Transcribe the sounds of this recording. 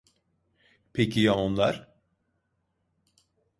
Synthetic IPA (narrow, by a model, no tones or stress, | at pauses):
pʰecʰijaonlˠaɾ̥